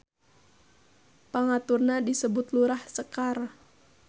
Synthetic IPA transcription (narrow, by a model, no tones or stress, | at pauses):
paŋat̪urnadisəbʊt̪luɾahsəkar